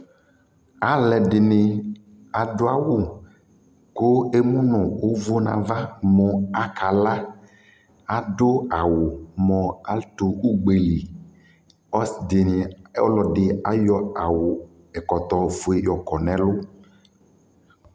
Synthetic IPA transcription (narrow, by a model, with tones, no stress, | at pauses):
a˨lɛ˨ɖɪ˨ne˨ | a˨ɖo˦a˦˨wo˦ | ko˦e˦mũ˦nɔ̃˨wo˦vo˦nã̰˨va˦mɔ̃˨a˦kʰa˨la˦ | a˨ɖo˦a˨wo˨mɔ̃˨a˦lt̪o˨u˦ɡ͡be˨li˨ | ɔ˦sdɪ˨ni˨ɔ˦lɔ˨ɖɪ˨a˦jɔ˦a˨wʊ˨ | ɛ˨kɔ˨t̪ɔ˨fo˨e˨jɔ˨kɔ˨nɛ̃˨lʊ˦